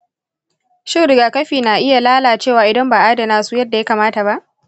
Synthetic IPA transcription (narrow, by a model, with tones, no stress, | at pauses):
ʃɪ˦ɾɪ˨ɡaː˨kɐ˦ɸiː˨naː˨ʔɪ˦ja˨laː˦laː˨t͡ʃeː˦˨waː˨ʔɪ˨dɐ˦mbaː˨ʔaː˦da˨naː˦su˦jɐ˦dːa˨ja˦kaː˨maː˦ta˨ba˦ʔ